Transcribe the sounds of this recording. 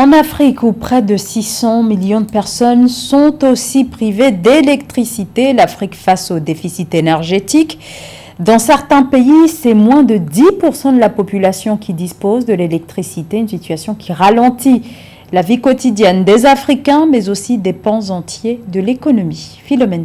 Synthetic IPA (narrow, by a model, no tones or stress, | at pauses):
ɑ̃nafχikupχɛd̪əsisɑ̃miljɔ̃d̪əpɛʁsɔnsɔ̃t̪osipχived̪elɛkt̪χisit̪elafχikfasod̪efisit̪enɛʁʒet̪ik | d̪ɑ̃sɛʁt̪ɛ̃peisɛmwɛ̃d̪əd̪ipuʁsɑ̃d̪əlapɔpylasjɔ̃kʰʲid̪ispozd̪əlelɛk̚t̪χisit̪eynsit̪ɥasjɔ̃kʲʰiʁalɑ̃t̪i | lavikɔt̪id̪jɛnd̪ezafχikɛ̃mɛzosid̪epɑ̃zɑ̃t̪jed̪əlekɔnɔmifilɔmɛn